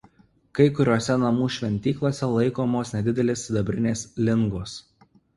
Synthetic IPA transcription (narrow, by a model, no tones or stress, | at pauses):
kɐɪkʊɾʲuɔsʲɛnɐmuːʃʲʋʲɛnʲt̪ʲiːklˠoːsʲɛlˠɐɪkoːmoːsnʲɛd̪ʲɪd̪ʲɛlʲeːsʲɪd̪ɐbʲɾʲɪnʲeːslʲɪŋɡoːs